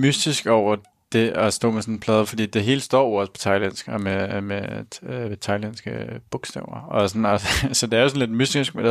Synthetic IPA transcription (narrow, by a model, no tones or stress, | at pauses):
mysd̥isɡ̥ɒʊ̰ɐ | d̥e̝ɒsd̥ɔ̰̽ːmesɔ̽npʰlɛːðˠɐfɒd̥ḭːd̥e̝ɦe̝ːləsd̥ɒ̰ːɒ̽spʰɒ̥t͡sʰɑɪlensɡ̥meme | et͡sʰɑ̈ɪlensɡ̥əb̥ɔɡ̥sd̥ɛʊ̰ɐɒ̽sɒnɒsɒ̽d̥e̝æɐo̝sɒn̩led̥mysd̥isɡ̥med̥e